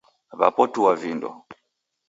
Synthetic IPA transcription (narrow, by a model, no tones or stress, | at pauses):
βa̰pɔtuwavindɔ̰